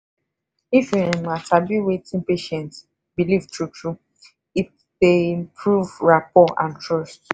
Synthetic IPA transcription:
ifĩematabiwetĩnpeʃɛ̃nt | bilivtɹutʰɹu | if | depʰɹuvɹapɔʔã̰ntɹɔst

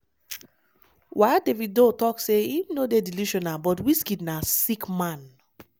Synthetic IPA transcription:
wʔadeviddotɔkseinodediluʃɔ̃nabɔtwiskidnasikmãn

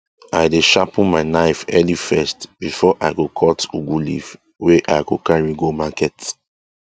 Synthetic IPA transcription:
ajdeʃapɔ̃nmaɪnaɪfɛlifɛstb̥ifɔʔajɡokʰɔtuɡulḭv | weʔajɡokãɹiɡomakɛt

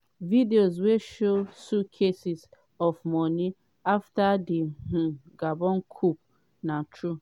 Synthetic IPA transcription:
vidiozweʃosukʰesis | ɔfmɔni | aftadih̩ɡabɔ̃nkʰup̚ | natʰɾu

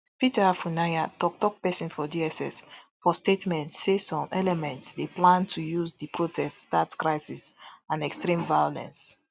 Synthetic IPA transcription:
pitɛafunajatɔk̚tɔk̚pɛsĩnfɔdiɛsɛ̰s | fɔstetmɛ̃ntssesɔ̃mɛlɛmɛ̃ntsdeplãntʰujuzdipɹotʰɛststatkɹaɪsisãnɛkstɹĩmvajolɛ̰̃ns

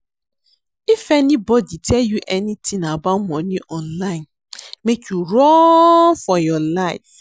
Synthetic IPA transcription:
ifɛnĩbɔditʰɛljuʔɛnitʰĩnabamɔ̃nĩʔɔ̃nlãɪ̃n | mekʰjuɹɔ̃ŋfɔjɔlaɪf

